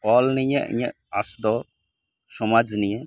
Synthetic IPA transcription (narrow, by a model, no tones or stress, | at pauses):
ɔlniɲɛʔḭɲɛ̰ʔ | asd̪ɔ | sɔmad͡ʒniɲɛ